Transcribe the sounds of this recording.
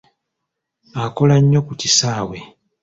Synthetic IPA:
ako̞laɲːo̞kucisaːwe̞

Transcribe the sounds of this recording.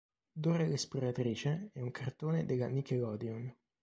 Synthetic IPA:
d̪oːɾelesploɾat̪ɾiːt͡ʃeɛuŋkʰart̪oːned̪elːamikelɔːd̪jon

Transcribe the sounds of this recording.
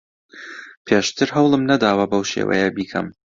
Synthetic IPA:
pʰeːʃt̪ʰɨɾɦɐwlˠɨmnɐd̪aːwɐbɐwʃḛːwɐ̰jɛbiːkʰɐ̰m

